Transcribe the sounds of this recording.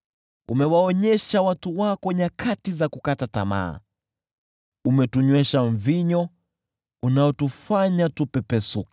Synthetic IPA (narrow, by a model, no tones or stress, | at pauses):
umɛwaɔɲɛʃawatuwakɔɲakʰatizakukatata̰ma̰ː | umɛtuɲwɛʃaɱviɲɔ | unaɔtufaɲatupɛpɛsuki̥